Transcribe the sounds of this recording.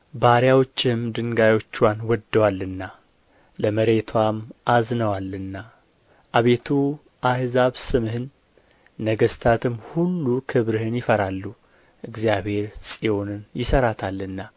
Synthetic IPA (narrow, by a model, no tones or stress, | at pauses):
baɾjawo̞t͡ʃːɪmd̪ɨŋɡajo̞t͡ʃːwanwɔd̪ːəwalːɨnːa | ləməɾe̞t̪ʰwamʔaznəwalɨnːa | ʔaβe̞t̪ʰu | ʔahzaβsɨmhɨnː | əɡəst̪ʰat̪ʰɨmhulːukʰɨβɾɨhɨnjɪfəɾalːu | ʔɨɡzjaβhe̞ɾsʼio̞nɨnjɪsəɾat̪ʰalːɨnːa